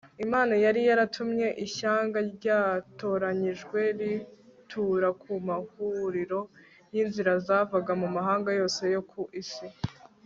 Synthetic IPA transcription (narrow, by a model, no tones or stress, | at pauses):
imaːnajaɾijaɾatʰumɲe̞ʔiʃaːŋɡaɾɟaːto̞ːɾaɲiʒɡwe̞ɾitʰuɾakʰumahuɾiɾo̞ | jinziɾazavaɡamumaɦaːŋɡajo̞ːse̞jo̞kʰuʔisi